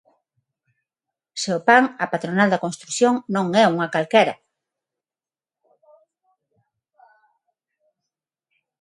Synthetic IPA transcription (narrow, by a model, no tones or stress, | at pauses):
seʊpaŋɐpat̪ɾonald̪ɐkonst̪ɾuθjoŋnõŋɛuŋɐkalkɛɾɐ̰